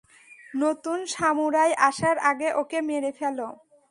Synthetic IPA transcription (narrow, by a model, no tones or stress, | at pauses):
not̪unʃamuɾajʔaʃaɾaɡeʔokemeɾefɛlo